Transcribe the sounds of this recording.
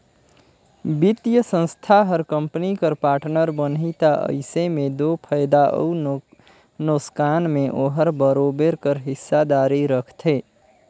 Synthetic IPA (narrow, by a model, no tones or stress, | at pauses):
bit̪jəsə̃nst̪ʰaɦəɾkə̃mpnikəɾpaːɾʈnəɾbənɦit̪aʔə̰ɪsemẽd̪opʰəjd̪aʔə̰u | noskaːnmẽʔoɦəɾbəɾoːbeɾkəɾɦɪsːad̪aːɾiɾəkʰt̪ʰeː